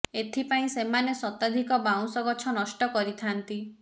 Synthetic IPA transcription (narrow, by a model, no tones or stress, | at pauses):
et̪ʰipaĩsemanesɔt̪ad̪ʱikɔbaw̃sɔɡɔt͡ʃʰɔnɔsʈɔkɔɾit̪ʰant̪i